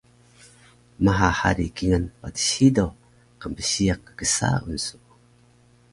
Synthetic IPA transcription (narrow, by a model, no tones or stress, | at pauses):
maɦaha̰ɾikiŋanpatə̥ɕido | qəmbəɕiak̚ə̥ɡəsa̰ṵnsu̥